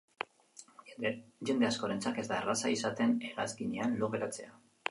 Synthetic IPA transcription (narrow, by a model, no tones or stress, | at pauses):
ʝe̞nd̪e̞asko̞ɾe̞nt͡sake̞zd̪aerasaisat̪e̞ne̞ɾa̰zkiɲeanloɣeɾat͡se̞a